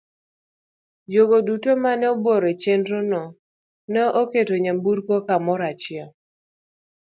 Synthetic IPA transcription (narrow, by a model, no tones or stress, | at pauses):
joɡodutomanɛoboɾet͡ʃendɾonɔ | nɛʔoketoɲambuɾkokamɔɾat͡ʃɪa